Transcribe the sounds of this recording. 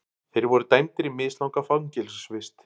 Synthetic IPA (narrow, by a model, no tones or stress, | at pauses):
θejɾvɔɾʏt̪ajmt̪ɾɪmɪːslawkafaŋcɪlssvɪst̪